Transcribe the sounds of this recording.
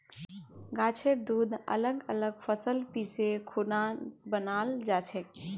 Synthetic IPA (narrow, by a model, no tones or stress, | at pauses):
ɡaːt͡ʃʰeɾd̪uːd̪ə̰ləɡələɡpʰəsəlpisekʰunabənaːld͡ʒaːt͡ʃʰek